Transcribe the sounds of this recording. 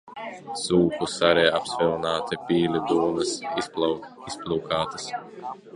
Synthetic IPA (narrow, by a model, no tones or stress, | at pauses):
suːkusaɾɛːapsvɛlˠnaːt̪ipʲiːlʲid̪uɔmɐs | isplʲˠuːkaːt̪ɐ̥s